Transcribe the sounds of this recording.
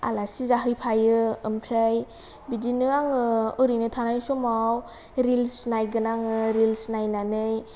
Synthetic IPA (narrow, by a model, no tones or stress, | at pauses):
a̰lasizaɦɯjpʰajɯɯmpʰɾaj | bidinɯaŋɯɯɾinɯtʰanajsɔmaw | ɾilsnajɡɯnaŋɯɾilsnajnanɯj